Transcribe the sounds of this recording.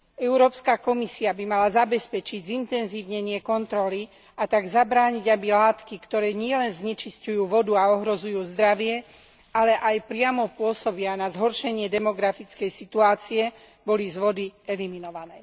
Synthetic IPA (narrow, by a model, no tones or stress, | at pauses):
ɛʊɾɔːpskakɔmisiabimalazabɛspɛt͡ʃiɟzint̪ɛnziːʋɲɛɲɪɛkɔnt̪ɾɔli | at̪aɡzabɾaːɲiɟabilaːt̪kikt̪ɔɾɛːɲɪɛlɛnzɲɛt͡ʃiscujuːʋɔd̪uaɔɦɾɔzujuːzd̪ɾaʋɪɛ | ʔalɛʔajpɾɪamɔpʊɔsɔbɪanazɦɔɾʃɛɲɪɛd̪ɛmɔɡɾafit͡skɛjsit̪uaːt͡siɛ | bɔlizʋɔd̪iɛliminɔʋanɛː